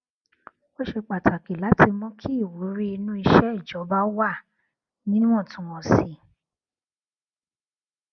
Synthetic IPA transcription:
o˦ʃe˧k͡pa˨ta˨ki˨la˨˦tʰi˧mɔ̃˦kʰi˦i˦˨wo˨˦ɾi˦i˧nũ˦i˧ʃɛ˦i˦˨d͡ʒɔ˨˦ba˦wa˦˨ | nĩ˦nũ˦ɔ̃˦˨tũ˨˦w̃ɔ̃˨˧˨si˨

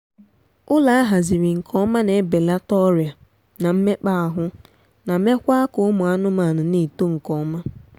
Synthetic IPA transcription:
ʊ˦la˨a˦ɦa˨zi˨ɾi˨ŋ̩˨kʰɔ˦ma˦ne˨˦be˨la˦tɔ˦ɾja˨ | na˨m̩˦me˦k͡pa˦a˨ɦʊ˦ | na˨me˦kʷa˦a˦kʊ˨ʊ˦mʊ˨a˦nʊ˦ma˨nʊ˨ni˦˨to˦ŋ̩˨kɔ˦ma˦

